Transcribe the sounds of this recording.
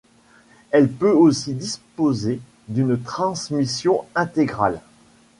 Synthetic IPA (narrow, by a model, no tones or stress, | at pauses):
ɛlpøosid̪ispoze | d̪ynt̪χɑ̃smisjɔ̃ɛ̃t̪eɡʁa̰l